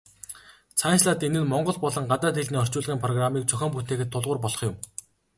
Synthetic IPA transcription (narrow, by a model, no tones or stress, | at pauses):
t͡sʰaːt͡ɕɮaːt̪enɘ̆nmɔɴɢɞ̆ɮpɔɮɞ̆ŋɢat̪aːt̪ʰeɮniːɔr̥t͡ɕʊːɮ̆ʁiːmpʰrɔɣramiːk̚t͡sʰœxʲɔːmput̪eːxɘ̆t̪ʰːʊɮʁʊːrpɔɮɞ̥̆χjʊm